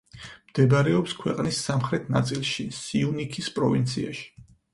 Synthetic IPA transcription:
md̪̥ɛbaɾɛɔpskʰwɛqʼnisamχɾɛt̪ʰnat̪sʼilˠʃisiunikʰispʼɾɔvint̪sʰiaʃi̥

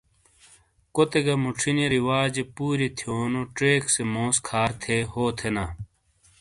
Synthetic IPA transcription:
kot̪eɡɐmuʈ͡ʂʰineɾiwaːd͡ʑepuːɾit̪ʰijoːnoʈeːksemõːskʰaːɾt̪ʰehoːt̪ʰenaː

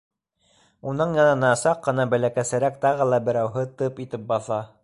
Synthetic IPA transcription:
unɤɴjɑnɑnɑsɑqːɤ̆nɑbælækæsɘ̆ɾækt̪ɑʁɤlˠɑbɘ̆ɾæwɦɤt̪ɤpit̪ɘp̚bɑθɑ

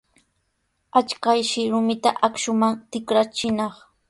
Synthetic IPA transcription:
at͡ʃkajʃɪɾʊmɪt̪aʔakʃʊmant̪ɪkɾat͡ʃɪnɑχ

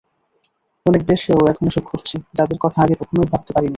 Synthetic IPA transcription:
ɔnekd̪eʃowɛkʰonoʃokʰːoɾt͡ɕʰid͡ʑad̪eɾkɔt̪ʰaaɡepɔkʰonojbʱab̚t̪opaɾini

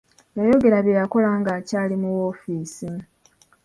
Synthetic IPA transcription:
jajo̞ɡe̞ɾaβjejako̞laːŋɡaːcaːlimuwo̞ːfiːsi

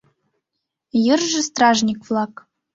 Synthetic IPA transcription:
jə̆rʒɘ̆st̪rɑʐnʲikvlˠɑk

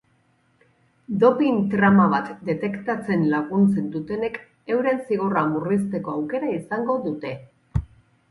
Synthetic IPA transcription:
d̪o̞pint̪ɾamaβat̪d̪e̞t̪e̞kt̪at͡se̞nlaɣunt͡se̞nd̪ut̪e̞ne̞k | e̞wɾe̞nsiɣ̞oramurist̪e̞ko̞awke̞ɾaisaŋɡo̞ðut̪e̞

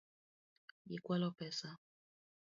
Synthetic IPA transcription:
jḭkwalɔpɛsa

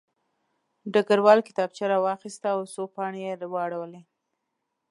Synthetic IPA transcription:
ɖaɡaɾwɑlkɪ̥t̪ɑb̚t͡ʃaɾawɑxist̪aːwsopɑɳejeɾwɑɽawəle

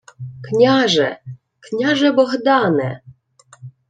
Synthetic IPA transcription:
knʲaʒɛ̰ | knʲaʒɛbɔɦd̪ɑnɛ̰

